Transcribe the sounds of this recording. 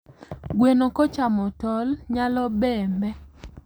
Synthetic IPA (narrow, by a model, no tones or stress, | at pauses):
ɡwenokɔt͡ʃamɔtɔlɲalɔbɛmbɛ